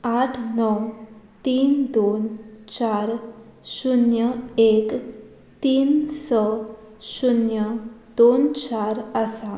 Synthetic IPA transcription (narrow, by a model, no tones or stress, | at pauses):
at̪ʰnɔw | t̪ind̪ont͡ʃaɾsunjəek | t̪insə | sunjəd̪ont͡ɕaɾasa